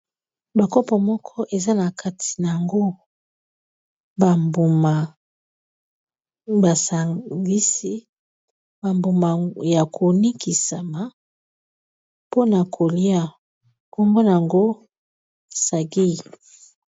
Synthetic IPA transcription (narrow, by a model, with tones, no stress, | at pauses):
ba˨kɔ˦pɔ˨mɔ˦kʰɔ˦ʔe˨za˦na˨kʰa˦tʰi̥˨na˨a˨ŋɡo˦ | ba˨mbu˨ma˨ | ba˨sa˨ɡi˦si˦ | ba˨mbu˨ma˨ja˨kʰo˨ni˦kʰi˨sa˨ma˨ | po˦na˨kʰo˨li˦a˦ | ko˦mbo˦na˨a˨ŋɡo˦ | sa˨ɡi˦˨